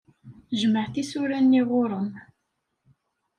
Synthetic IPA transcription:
ʒməʕθisʊɾænːiʁʊɾˤəm

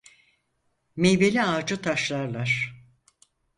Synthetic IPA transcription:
mejbelʲiaːd͡ʒɯt̪ʰaʃlˠaɾlˠaɾ̥

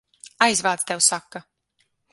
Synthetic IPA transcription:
ajzvaːt̪st̪ɛwsakːa

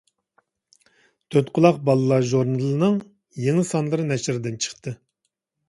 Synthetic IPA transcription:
t̪ʰøt̪qʰʊlˠɑqbɑlˠɨlˠɑʒoɾnɨlɨnɨŋ | jeŋɨsɑnlˠɨɾɨnɛʃɪɾɪd̪ɪnt͡ʃʰə̥χt̪ɨ

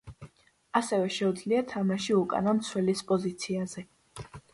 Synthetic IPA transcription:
asɛvɛʃɛud̪zliat̪ʰamaʃiukʼa̰namt̪sʰwɛlispʼɔzit̪sʰiazɛ

